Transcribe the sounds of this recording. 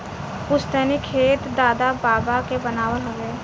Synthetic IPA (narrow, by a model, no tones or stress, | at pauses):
pʊst̪əːnikʰeːt̪d̪aːd̪abaːbakebənaːʋəlɦɐʋeː